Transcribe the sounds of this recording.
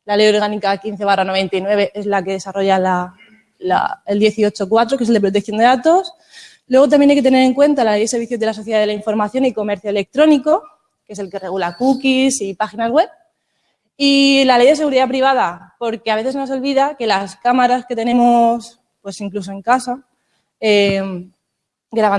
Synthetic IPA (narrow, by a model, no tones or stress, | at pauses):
lale̞jo̞ɾɣ̞anikakin̟θe̞βarano̞βe̞nt̪ajnwe̞β̞e̞ʔe̞zlake̞ðe̞saro̞ʝala | la̰eld̪je̞θio̞t͡ʃo̞kwat̪ɾo̞kes̬eld̪epɾot̪̬ekθjo̞nd̪e̞ðat̪o̞s | lwe̞ɣ̞o̞t̪amjenajket̪e̞nee̞ŋkwe̞nt̪alale̞jðeseɾβiθjoðe̞laso̞θjeðaðelaiɱfo̞ɾmaθjo̞niko̞me̞ɾθjo̞ele̞k̚t̪ɾo̞niko̞ | kese̞lke̞re̞ɣulakukisipaxinazɣwe̞β | ilale̞jðe̞se̞ɣuɾiðapɾiβað̞apo̞ɾke̞aβe̞θe̞sno̞s̬o̞lβiðake̞laskamaɾaske̞t̪e̞ne̞mos | pwe̞siŋklus̬o̞e̞ŋkasa | em | ɡɾaβa